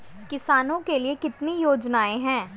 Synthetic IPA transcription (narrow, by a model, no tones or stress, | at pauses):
kɪsaːnõkeliekɪt̪nijoːd͡ʒnaːẽɦɛ̃ː